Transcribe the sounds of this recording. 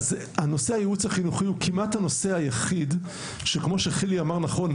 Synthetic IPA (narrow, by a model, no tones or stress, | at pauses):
z | ano̞sehajeut͡shaχinuχiukʰimathano̞se̞ajaχid̪ | ʃekmo̞ʃeχiliamaʁnaχo̞n